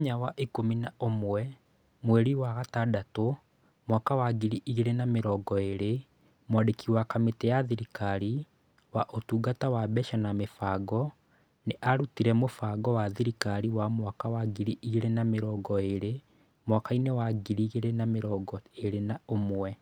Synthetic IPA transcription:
ɲawaʔikominaomwɛ | mwɛɾiwaɣatadato | mwakawaɡiɾiʔiɣeɾenameɾɔɡɔeɾe | mwadekiwakametɛjaðiɾikaɾi | waʔotuːɡatawabɛʃanamefaɡɔ | neʔaɾutiɾɛmofaɡɔwaðiɾikaɾiwamwakawaɡiɾiʔiɣeɾenameɾɔːɡɔeɾe | mwakainewaɡiɾiɣeɾenameɾɔɡɔeɾenaomwɛ

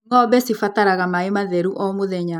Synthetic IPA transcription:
ŋɔbɛsifataɾaɣamaemaðɛɾuʔɔmoðɛɲa

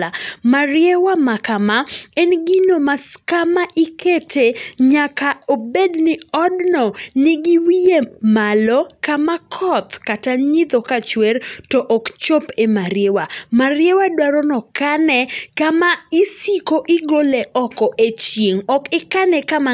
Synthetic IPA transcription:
amaɾjewamakamaɛnɡɪnomaskamaʔɪketʰeɲakaobednɪɔdnɔnɪɡɪwiemalɔkamakʰɔt̪kataɲɪt̪ɔkat͡ʃwertɔʔɔkt͡ʃopemaɾjewamaɾjewadwaɾɔnɔkanɛkamaisikoʔɪɡoleʔɔkɔʔet͡ʃjeŋɔkɪkanɛkama

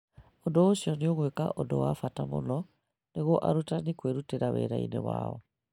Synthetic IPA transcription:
odoosiɔneoɣweka̰ʔodowafatamo̰nɔ | neɣoʔaɾutanikweɾuteɾawɛ̰ɾaḭnḛwa̰ɔ̰

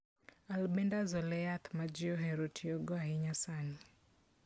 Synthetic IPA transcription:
albɛndazɔlɛat̪mad͡ʒɪɔɦɛɾotʰioɡɔaɦɪɲasani

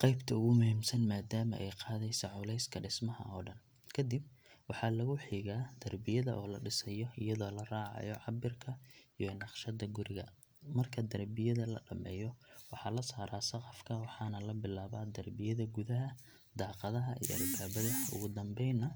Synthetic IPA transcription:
qɑjbt̪ʰɐʊɣʊmʊhiːmsɐnmaːd̪aːmɐ̰ʔɛjqɑːðɛjsɐʕʊlɛjskʰɐɖɪsmɐɦɐ̰ɔːɖɐn | kʰɐd̪ɪb̚wɑħɑlɐɣʊħiːɣaːd̪̥ɐrbɪjɐðɐʔɔːlɐɖɪsɐjɔɪjɐðɔːlɐraːʕɑ̰jɔʕɑbɪrkʰɐijɔnɑqʃɐd̪ɐɡʊɾɪɣɐ | mɐrkʰɐd̪ɐrbɪjɐðɐlɐ̰ɖɐmɛ̰ːjɔwɑħɑlɐsaːɾaːsɐqɑfkʰɐwɑħɑːnɐlɐbɪlaːβaːd̪ɐrbɪjɐðɐɡʊðɐɦɐ | d̪ɑːqɑðɐɦɐʔḭj̰ɐ̰lbaːβɐðɐʊ̰ɣʊd̪ɐmbɛjnɐ

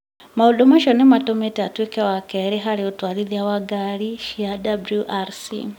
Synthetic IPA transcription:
maudɔmaʃɔnɛmatɔmetiatwikɛwakɛɾiɦaɾiutwaɾiðjawaɡaɾiʃiadabluʔaɾsḭ

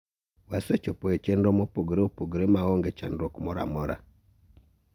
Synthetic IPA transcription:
wasɛt͡ʃɔpɔɛt͡ʃɛndɔmɔpoɡɾeupoɡeɾemaɣɔŋɡɛt͡ʃa̰ndɔkmɔɾa̰mɔɾa̰

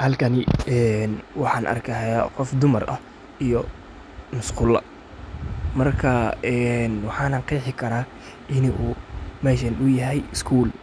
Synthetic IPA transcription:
hɐlkʰɐnɪɛːnwɑħɑːnʔɐ̰rkʰɐɦajaqɔfd̪ʊmɐrʔɐ̰ | ijɔ | mʊsqʊlɐ̰ | mɐrkʰɐɛnwɑħɑːnɐnqiːħɪkʰɐɾaː | ʔɪnɪʔuːmɛːʃ̬ɐnʊjɐɦɛjɪskʰuːl

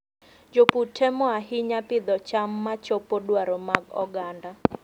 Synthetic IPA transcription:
d͡ʒoputʰɛmɔaɦɪɲapɪd̪ɔt͡ʃamːat͡ʃopodwaɾomaɡɔ̰ɡanda

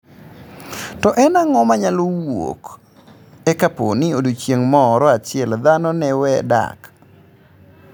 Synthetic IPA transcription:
tɔʔɛnaŋɔmaɲalowo̰k | ɛkaponɪodot͡ʃjeŋmɔɾɔat͡ʃɪɛld̪anɔnɛwɛda̰k

